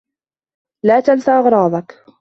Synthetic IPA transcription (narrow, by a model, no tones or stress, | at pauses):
laːt̪alsaːʔɑɣɾˤɑːðˤɑk